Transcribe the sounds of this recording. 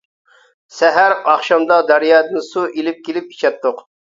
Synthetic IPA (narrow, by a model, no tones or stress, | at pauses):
sɛɦæɾɑχʃɑmd̪ɑd̪æɾjɑːd̪ɨnsuʔelɪp̚kʲʰelɪp̚i̥t͡ʃʰɛt̪ʰːʊq